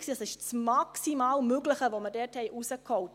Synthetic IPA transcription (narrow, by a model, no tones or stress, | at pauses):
ksiːɑsɪʃt͡smɑksimɑːlmøɡlɪχəʋomədɛːthɛɪʔusəkhɔwt